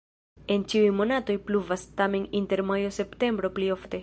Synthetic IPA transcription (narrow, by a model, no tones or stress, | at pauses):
e̞nt͡ʃiujmo̞nato̞jpluvastame̞ninte̞ɾmajo̞se̞pte̞mbɾo̞plio̞fte̞